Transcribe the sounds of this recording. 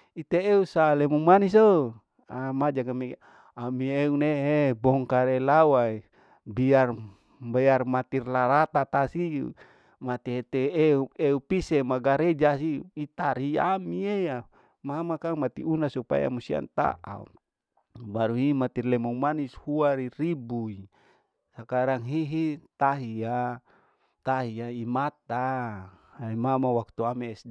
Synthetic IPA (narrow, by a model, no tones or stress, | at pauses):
it̪eeusalɛmuŋmaniso | amad͡ʒaɡame | amieuneɦebɔŋkaɾelawai | biar | bajarmat̪irlaɾat̪at̪asi | mat̪iɦet̪eeueupisemaɡaɾed͡ʒasiːt̪aɾiamieja | mamakaŋmat̪ḭunasupa̰ja̰musia̰nt̪a̰ʔa̰ṵ | baɾuɦimat̪irlɛmuŋmanishuaɾiɾibui | sakaɾaŋɦiɦit̪aɦia | t̪aɦiaimat̪a | imamawak̚t̪uamis